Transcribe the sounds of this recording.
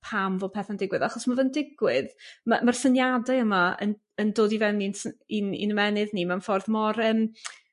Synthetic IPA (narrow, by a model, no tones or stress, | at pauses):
pʰamvɔːpʰɛθandɪɡwɨðaχɔsmavəndɪɡwɪðmamarsənjadaəmaə̰n | əndoːdivɛninsinḭnəmɛnɨðnimanfɔrðmɔrəːm